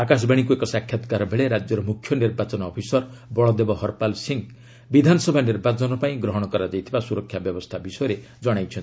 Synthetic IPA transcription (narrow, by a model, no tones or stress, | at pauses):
akas̬baɽ̃ik̬uekɔsakʰːjɔt̪kaɾɔbʱeɭeɾad͡ʒjɔɾɔmukʰːjɔniɾbat͡ʃɔnɔːpʰisɔɾ | bɔɭɔd̪ebɔhɔɾpalsiŋ | bid̪ʱanɔsɔbʱaniɾbat͡ʃɔnɔpaĩɡɾɔɦɔɽ̃ɔkɔɾad͡ʒajt̪ʰibasuɾɔkʰːjabjɔbɔst̪ʰabisɔjɔɾe | d͡ʒɔɽ̃ajt͡ʃʰɔnt̪i